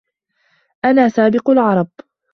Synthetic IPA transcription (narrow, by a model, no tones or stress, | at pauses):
ʔanaːsaːbɪqʊlʕɑɾˤɑb